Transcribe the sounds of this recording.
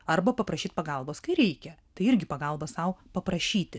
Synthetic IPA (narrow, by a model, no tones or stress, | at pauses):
ɐrbɐpɐpɾɐʃʲiːt̪̚ʲpɐɡɐlˠboːskɐɪɾʲɛɪkʲɛt̪ɐɪɪɾʲɡʲɪpɐɡɐlˠbɐsɐʊpɐpɾɐʃʲiːt̪ʲɪ